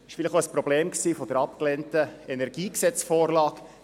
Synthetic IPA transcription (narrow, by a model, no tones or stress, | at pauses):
ɪʃfɪlɪχoəspɾɔb̥leːmksiːfɔd̥̪əɾɑp̚klɛntəɛnɛɾɡ̥iːksɛt͡sfoːɾlɑːk